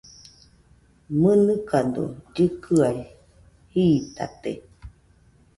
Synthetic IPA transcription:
mɨnɨkand̪o̰d͡ʒɨkɨaj | hiːt̪a̰t̪e

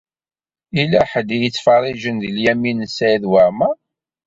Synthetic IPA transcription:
ilæħəd̪ijət͡sːfɑrˤːiʒənðəljæminəsæjðwaɾmæ

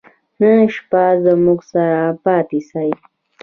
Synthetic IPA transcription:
nənʃpazamʊksaɾapaːt̪isaj

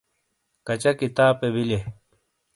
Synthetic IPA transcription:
kɐt͡ɕɐkit̪aːpebile

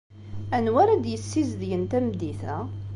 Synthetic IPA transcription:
ænwæɾæd̪jəsːizðjənt̪æmd̪iθæ̰

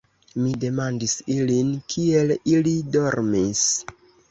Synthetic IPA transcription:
mide̞mandisilinkʰie̞lilido̞ɾmis

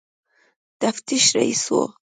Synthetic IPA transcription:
t̪aft̪iʃɾa̰ḭso̰

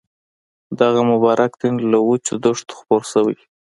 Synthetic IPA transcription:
d̪aɣamʊbɑɾʔakd̪enlawut͡ʃed̪oʂt̪o̥xpoɾsawij

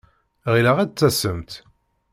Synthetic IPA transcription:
ʁilaʁæd̪̚t͡sːæsəmt̪

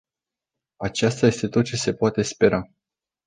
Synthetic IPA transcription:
at͡ʃast̪aje̞st̪e̞t̪o̞t̪̚t͡ʃe̞se̞poat̪e̞spe̞ɾa

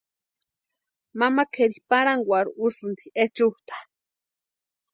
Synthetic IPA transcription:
mamakʰeɾipaɾaŋɡʷaɾuʔusɨnd̪iet͡ʃuht̪ḁ

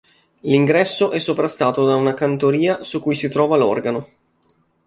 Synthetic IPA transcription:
liŋɡɾɛsːoʔɛsːopɾast̪aːt̪od̪aunakant̪oɾiːasukːujsit̪ɾɔːvalɔ̰rɡano

